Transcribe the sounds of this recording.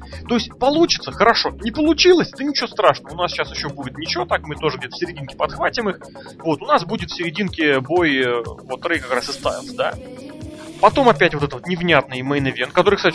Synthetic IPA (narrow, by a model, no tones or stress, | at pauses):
t̪o̞ɪsʲtʲpɐlˠut͡ɕɪ̥t̪səxəɾɐʂo̞nʲɪpəlˠʊt͡ɕilˠəsʲɛt̪ənʲɪt͡ɕɪvost̪ɾaʂnəvəʊnasɕasjɪɕːo̞budʲɪt̪nʲɪt͡ɕɪvo̞t̪akmɨt̪o̞ʐəɨɡdʲet̪ə̥fsʲɪɾʲɪdʲinkʲɪ̥pɐt̪xvatʲɪmɨx | vo̞t̪ʊnasbudʲɪt̪fsʲɪɾʲɪdʲinkʲɪbo̞jvo̞t̪ɾɨjkakɾasɨst̪a̰vʲɪlˠsʲəd̪a̰ | pɐt̪o̞mɐpʲætʲvo̞t̪ɛt̪vot̪nʲɪvnʲat̪̚nəɨjməjnɨvʲenkɐt̪o̞ɾɨkst̪atʲ